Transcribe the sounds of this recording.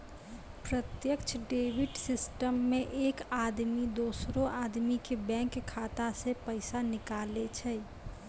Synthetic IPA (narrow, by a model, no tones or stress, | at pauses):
pɾət̪jəkt͡ʃʰɖeːbɪʈsɪsʈəmːẽʔeːkaːd̪mid̪oːsɾõaːd̪mikebɛ̃ːŋkʰːaːt̪asepəɪsanɪkaːlet͡ʃʰɛ